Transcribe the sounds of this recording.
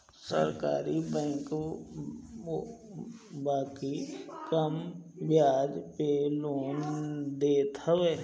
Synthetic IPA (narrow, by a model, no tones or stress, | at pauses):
sə̰ɾka̰ːɾibɛ̃ːk | baːkikəmbɪjaːd͡ʒpeloːnd̪eːt̪ɦəʋeː